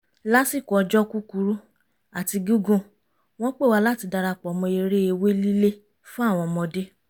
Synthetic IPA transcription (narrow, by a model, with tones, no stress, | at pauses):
la˦si˦˨kɔ˨˧˨d͡ʒɔ˦ku˦ku˧˦ɾu˦ | a˨ti˧ɡu˦ɡũ˦˧ | w̃ɔ̃˦k͡pe˦˨wa˧la˦ti˧da˧ɾa˧˨k͡pɔ˨˦mɔ̃˧e˧ɾe˦e˧we˦li˦le˦ | fũ˦a˦˨w̃ɔ̃˧mɔ̃˧de˦